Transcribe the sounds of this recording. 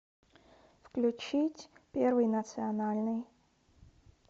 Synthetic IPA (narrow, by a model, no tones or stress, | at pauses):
fklʲut͡ɕitʲpʲervɨjnət̪sɨɐnalʲnɨj